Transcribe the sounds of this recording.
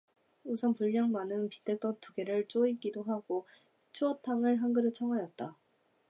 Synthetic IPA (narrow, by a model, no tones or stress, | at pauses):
usʰʌnpuɭːaŋmanɯnpit͈ɯɭt͈ʌtuɡe̞ɾɯɭt͡ɕ͈oik͈idoɦaɡ̥o | t͡ɕʰuʌtʰaŋɯɭɦanɡɯɾɯt͡ɕʰʌŋwajʌt̚t͈a